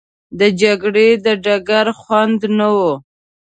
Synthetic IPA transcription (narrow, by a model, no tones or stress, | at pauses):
d̪əd͡ʒaɡɽed̪əɖaɡaɾxwand̪nawo